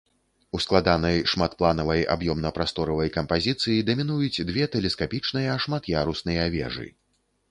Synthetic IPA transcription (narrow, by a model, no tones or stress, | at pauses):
usklˠad̪anɐjʂmat̪plˠan̪ɐvɐja̰bjɔmnɐpɾast̪ɔɾɐvɐjkɐmpazʲit̪sɨjid̪ɐmʲinujut͡sʲd̪vʲɛt̪ɛlʲɛskapʲit͡ʂnɨjɐːʂmat̪jaɾusnɨjɐavʲɛ̰ʐɨ̰